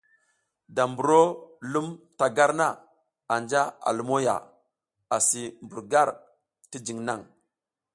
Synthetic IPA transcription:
da˨mbu˨ɾo˦lu˦mta˨ɡa˦ɾna˦˨ | a˨nd͡ʒa˦a̰˨lu˦mo˦ja̰˨ | a˨si˨mbu˨ɾɡa˦˨ɾ | ti˦d͡ʒi˨ŋna˦˨ŋ

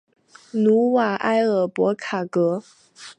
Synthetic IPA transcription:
nu˧˥wa˨˩ʔa˥ɪə˨˩pwɔ˧˥kʰa˨˩kɤ˧˥

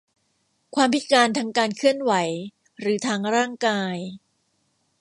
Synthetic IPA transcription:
kʰwaː˧mpʰi˦˥t̪̚kaː˧nt̪ʰaː˧ŋkaː˧nkʰɯ˥˩ənwa˩˦j | ɾɯː˩˦t̪ʰaː˧ŋɾaː˥˩ŋkaː˧j

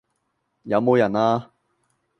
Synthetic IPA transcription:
jɐ˨˧wmo˨˧wjɐ˨˩naː˧

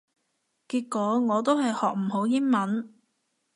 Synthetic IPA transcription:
kiː˧t̚kːɔː˨˥ŋɔː˨˧t̪o˥wɦɐ˨jhɔː˨k̚m̩˨˩ɦo˨˥wjɪ˥nmɐ˨˥n

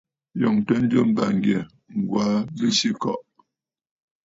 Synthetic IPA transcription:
jɔ˨ŋtə˦n̩˦d͡ʒə˦m̩˦ba˨ŋ˨ɡjɛ˨ | ŋ̩˨ɡwa˨˦bə˦ʃi˦kɔ˦˨ʔ

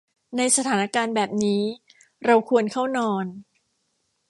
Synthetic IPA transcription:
na˧jsa˧t̪ʰaː˩˦na˦˥kaː˧nbɛː˨˩p̚niː˦˥ | ɾa˧wkʰu˧ənkʰa˥˩wnɔː˧n

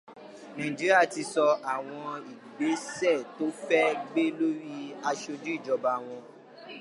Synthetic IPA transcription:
nã˨ĩ˨d͡ʒi˨˦ɾi˦a˦˨ti˧sɔ˧a˨w̃ɔ̃˧i˨ɡ͡be˨˦sɛ˦˨to˦fɛ˦ɡ͡be˦lo˦ɾi˦a˧ʃo˧d͡ʒu˦i˦˨d͡ʒɔ˧ba˧w̃ɔ̃˧

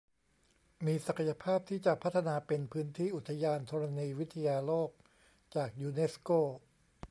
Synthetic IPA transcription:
miː˧sa˨˩kʰa˩ja˧pʰaː˥˩p̚t̪ʰiː˥˩t͡ɕa˨˩pʰa˦˥t̪ʰːa˧naː˧pe˧npʰɯː˦˥nt̪ʰiː˥˩ʔu˨˩t̪ʰːa˧jaː˧nt̪ʰɔ˧ɾa˧niː˧wi˦˥t̪ʰːa˧jaː˧loː˥˩k̚ | t͡ɕaː˨˩k̚juː˧ne˦˥skoː˥˩

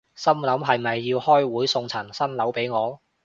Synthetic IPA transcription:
sɐ˥mlɐ˨˥mɦɐ˨jmɐ˨jːiː˧whɔː˥jwuː˨˥jsʊ˧ŋt͡sʰɐ˨˩nsɐ˥nlɐ˨˥wpe˨˥jŋɔː˨˧

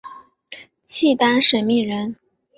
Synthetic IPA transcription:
t͡ɕʰi˥˩t̪a˥nʂə˨˩nmi˥˩ɻə˧˥n

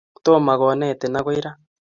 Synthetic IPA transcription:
toː˦ma˨ɣo˨nɛ˦˨te˨na˦ɣo˦i˦ɾa˦

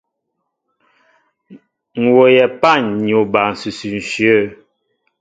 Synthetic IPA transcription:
ŋ̩˨wo˨jɛ˨pa˦˨ɲɲ˨o˨ba˨n̩˨sʉ˨sʉ˨n̩˨ʃə˦˨

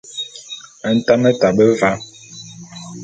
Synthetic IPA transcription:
a˨n̩˦˨ta˦mə˦ta˨bə˦va˨˦

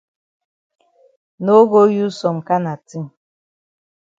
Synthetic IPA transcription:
no˦ɡo˦ju˦sɔ˨m̩˨ka˦na˨ti˦m̩˨

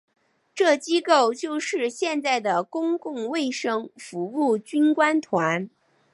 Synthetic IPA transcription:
ʈ͡ʂɤ˥˩t͡ɕi˥ko˥˧ʊt͡ɕjo˥˧ʊʂɻ̩˥˧ɕjɛ˥˧nt͡sa˥˩ɪd̪ə˩kʊ˥ŋkʊ˥˧ŋwe˥˩ɪʂɤ˥ŋfu˧˥u˥˩t͡ɕy˥nkwa˥nt̪ʰwa˧˥n

